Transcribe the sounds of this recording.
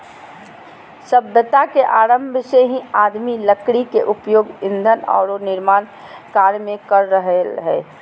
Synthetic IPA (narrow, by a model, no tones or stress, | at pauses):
səbjət̪akeʔaːɾəmbʱseɦĩaːd̪miləkɽikeʔʊpjoːɡɪ̃nd̪ʱənɔ̰ːɾonɪɾmaːn | kaːɾmẽkəɾːəɦeɦɛː